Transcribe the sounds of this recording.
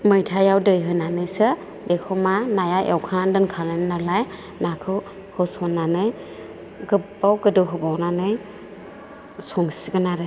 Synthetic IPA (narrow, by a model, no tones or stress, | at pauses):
mɯjtʰajawdɯjɦɯnanɯjsɯ | bekʰɔmanajaʔewkʰandɯnkʰalɯnnalaj | nakʰɯw | hɯsɔnːanɯj | ɡɯpbawɡɯdɯɦɯbawnanɯj | sɔŋsiɡɯnaɾɯ